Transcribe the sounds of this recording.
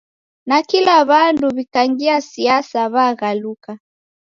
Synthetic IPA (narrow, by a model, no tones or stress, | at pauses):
nakilaβanduβikaŋɡiasiasaβaɣaluka